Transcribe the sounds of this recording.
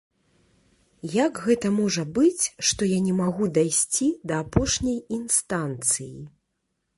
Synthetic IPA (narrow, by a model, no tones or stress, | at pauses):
jaɡɣɛt̪ɐmɔʐɐbɨt͡sʲʂt̪ɔjanʲɛmaɣud̪ajsʲt͡sʲid̪ɐːpɔʂnʲɐjinst̪ant̪sɨji